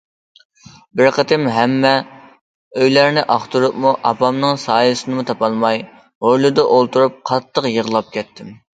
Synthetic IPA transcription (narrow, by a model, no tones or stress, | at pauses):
bɪɾqʰət̪ʰɪmɦɛmːɛ | øjlæɾnɪʔɑχt̪uɾupmuʔɑpɑmnɨŋsɑːjsɨnɨmut̪ʰɑpɑlˠmɑj | hojlˠud̪ɑʔolˠt̪uɾup̚qʰɑt̪ʰːəqjəʁlˠɑp̚kʲɛt̪ʰːɪm